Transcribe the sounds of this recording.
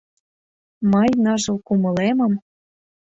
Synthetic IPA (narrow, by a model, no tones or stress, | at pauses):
mɤjnɑʒɤ̆lkumɤ̆lemɤ̆m